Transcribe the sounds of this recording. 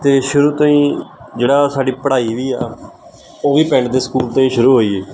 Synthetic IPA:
t̪eːʃʊɾuːt̪ãːĩːd͡ʒeːɽaːsaːɖiːpəɽaːiːʋiːaː | oːʋiːpɛ̃ːɳɖd̪eːsə̥kuːlt̪ãːĩːʃʊɾuːɦoːiːeː

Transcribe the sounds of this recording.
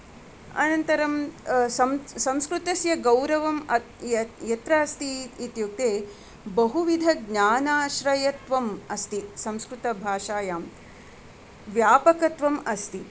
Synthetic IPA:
ɐ̰nɐnt̪ɐɾɐmsɐmsɐ̃mskɾut̪ɐsjɐɡɐwɾɐʋɐmɐ | jɐt̪ɾɐɐst̪iːt̪juk̚t̪eː | bɐɦuʋid̪ʱɐɡɲaːnaːʃɾɐjɐt̪ʋɐmɐst̪isɐmskɾut̪ɐbʱaːʃaːjaːm | ʋjaːpɐkɐt̪ʋɐmɐst̪i

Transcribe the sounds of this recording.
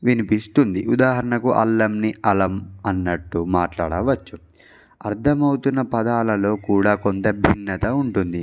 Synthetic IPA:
ʋinipist̪und̪iʔud̪aːɦɐɾɐɳɐkuʔɐ̰lːɐmniɐlɐmɐnːɐʈːumaːʈla̰ːɽɐʋɐt͡ʃːu | ɐɾt̪ʰɐmɐwt̪unːɐpɐd̪aːlɐlo̞ːkuːɽaːkont̪ɐbʱinːɐt̪ɐuɳʈund̪i

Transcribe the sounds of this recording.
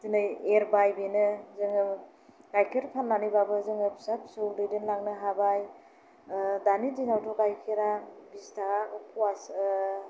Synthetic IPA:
tinɯjeɾbajbinɯzɯŋ | ɡajkʰeɾpʰannanibabɯzɯŋɯpsapsɯwdɯdɯnlaŋnɯɦabaj | danidinawtʰɔɡajkʰeɾabistaaɔpʰuas

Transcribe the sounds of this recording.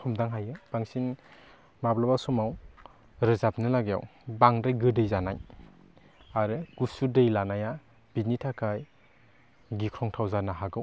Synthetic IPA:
kʰɔmdaŋɦajɯb̥aŋsin | mablabasɔmaw | ɾɯzap̚nɯlaɡija̰wbaŋɾɯjɡɯdɯjzanaj | aɾɯɡ̥usudɯjlanaja | b̥initʰakʰaj | ɡikʰɾɔŋtʰawzanaɦaɡɯw

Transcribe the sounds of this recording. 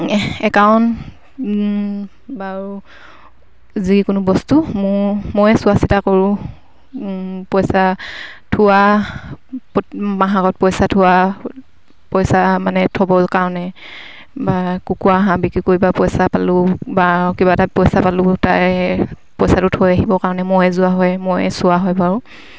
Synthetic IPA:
ɛkawn | baɹu | zikʊnʊbɔstumʊmojɛsʊasitakɔɹʊ̃ | pɔjsatʰʊwa | pmaɦakɔt̚pɔjsatʰʊa | pɔjsamanɛtʰɔbɔlkaɹɔnɛ | bakukuaɦãbikikoɹibapɔjsapalʊbakibatapɔjsapalʊtaj | pɔjsatʊtʰojaɦibɔkaɹɔnɛmɔjɛzʊaɦɔjmɔjsʊaɦɔjbaɹʊ

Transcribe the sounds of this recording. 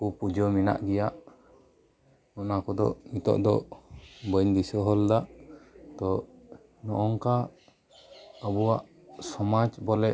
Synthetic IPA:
kupud͡ʒɔmina̰ʔɡɛjaʔ | ɔnakɔd̪ɔ̰ʔmit̪ɔ̰ʔd̪ɔ | bəjnd̪isɔɦɔld̪aʔt̪ɔ | nɔʔɔŋka | əbuwaʔ | sɔmad͡ʒbɔlɛ

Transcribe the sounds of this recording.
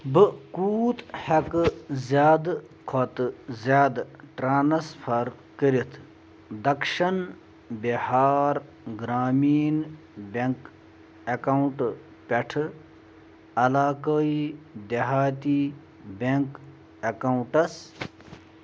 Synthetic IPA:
bɨkuːt̪hɐkzjaːd̪ | kʰot̪zjaːd̪ʈɾaːnsfʰɐɾ | kəɾit̪ʰ | d̪ɐkʃɐn | bihaːɾ | ɡɾaːmiːn | beŋk | ekawuɳʈ | peʈʰɨ | ɐlaːkəid̪eɦaːt̪i | beŋk | ɐkawʈɐs

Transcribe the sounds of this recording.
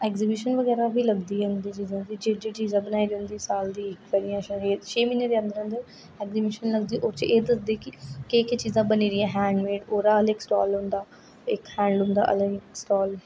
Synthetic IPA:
ɛːkzibɪːʃənʋəɡɛːɾaːbʱiːləɡd̪iːɦʊnd̪iːt͡ʃiːzãːd̪iːd͡ʒeːd͡ʒeːt͡ʃiːzãːbənaːiːd͡ʒənd̪iːsaːld̪iːɪkʋɛːɾijãːʃɾt͡ʃʰeːmiːneɾeːə̃nd̪əɾə̃nd̪əɾ | ɛːkzibɪʃənləɡd̪iːʔoːɾt͡ʃəʔeːd̪əsd̪eːkɪkeːket͡ʃiːzãːbəniːɾɪjãːɦɛːɳɖmeːɖoːɾaːəlɪksʈɔ̰ːlʊ̃ːnd̪aː | ɪkhɛ̃ːɳɖɦʊ̃ːnd̪a̰ːʔə̰lɪksʈɔːl

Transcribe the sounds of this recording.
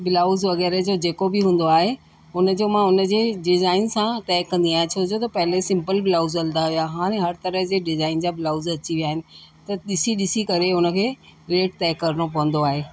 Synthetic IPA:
bɪlaːʊzʋɐɣɛːɾəd͡ʑod͡ʑeːkobɪɦũːn̆d̪oaːɦe | ʊnəd͡ʑoːmãʊnə̆d͡ʑeːɖɪzaːɪnsãt̪ɛːkːɐ̃nd̪iaːɦɪ̃ẽt͡ɕʰoːd͡ʑot̪ɐpɐɦɪlesɪ̃mpəlbɪlaːʊzɐ̃ld̪aɦijaɦaːɽ̃ẽɦɐɾt̪ɐɾəɦd͡ʑeːɖɪzaːɪnd͡ʑabɪlaːʊzɐt͡ɕiʋijaːɦɪnɪ̆t̪ɐɗɪsiɗɪsikɐɾeʊnə̆kʰeːɾeːʈ̚t̪ɛːkːɐɾəɽ̃op̬ɐʋə̃nd̪oaːɦeː

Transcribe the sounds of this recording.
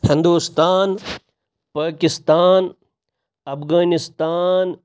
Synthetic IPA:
hɪnd̪uːst̪aːn | paːkist̪aːn | ɐfɣaːnist̪aːn

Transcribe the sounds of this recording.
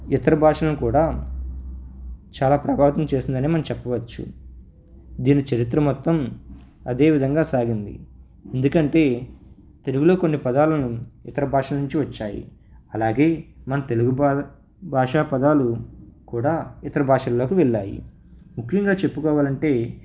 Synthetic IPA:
it̪ɐɾɐbʱaːʂɐlɐnukuːɽaː | t͡ʃaːlaːpɾɐbʱaːʋɐt̪ɐmt͡ʃe̞ːsind̪ɐniːmɐnɐmt͡ʃɛpːɐʋɐt͡ʃːṵ | d̪iːnit͡ʃɐɾit̪ɾɐmɔt̪ːɐm | ɐd̪e̞ːʋid̪ʱɐŋɡaːsaːɡind̪ḭ | e̞nd̪ukɐɳʈe̞ː | t̪e̞luɡulo̞ːko̞nːipɐd̪aːlɐnuit̪ɐɾɐbʱaːʂɐlɐnuɲt͡ʃiʋɐt͡ʃːaːjḭɐlaːɡe̞ːmɐnɐt̪e̞luɡub | bʱaːʂaːpɐd̪aːlukuːɽaːit̪ɐɾɐbʱaːʂɐllo̞ːkiʋɛɭːaːjḭ | mukʰːjɐŋɡaːt͡ʃe̞pːukɔːʋaːlɐɳʈe̞ː

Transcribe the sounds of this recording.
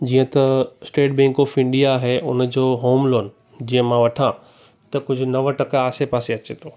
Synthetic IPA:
d͡ʑiːə̃t̪ɐsʈeːʈ̚bɛ̃ŋkɔːfɪ̃ɳɖijaɦeʔʊnd͡ʑoːɦoːmloːn | d͡ʑiːə̃mãʋɐʈʰã | t̪ɐkʊd͡ʑʱʊ̆nɐʋəʈɐkaːsepaːseɐt͡ɕet̪ʰoː

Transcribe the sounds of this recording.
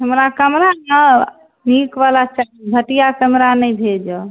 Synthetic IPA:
ɦəmɾakəmɾanə | nikʋalat͡ʃabʱəʈijakəmɾanəjbʱed͡ʒə

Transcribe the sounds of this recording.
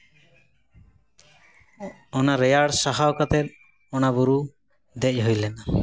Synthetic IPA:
ɔnaɾejaɽsaɦaokat̪eɾ | ɔnabuɾu | d̪ɛc̚ɦojlena

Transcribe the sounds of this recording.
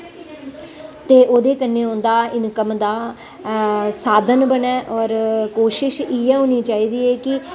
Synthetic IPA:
t̪eːʔoːd̪eːkənːeːõːnd̪aːɪnkəmd̪aː | saːd̪ənbənɛːʔɔːɾkoːʃɪʃiːɛːɦõːniːt͡ʃaːiːd̪iːɛːkɪ

